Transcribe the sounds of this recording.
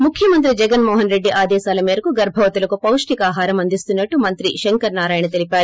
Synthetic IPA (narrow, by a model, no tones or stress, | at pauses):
mukʰːjɐmɐnt̪ɾid͡ʒɛɡɐnmɔːɦɐnɾe̞ɖːiʔaːd̪ɛːsaːlɐmeːɾɐkuɡɐɾbʱɐʋɐt̪ulɐkupɐwʂʈikaːɦaːɾɐmɐnd̪ist̪unːɐʈːumɐnt̪ɾiʃeŋkɐɾnaːɾaːjɐnɐt̪e̞lipaːɾu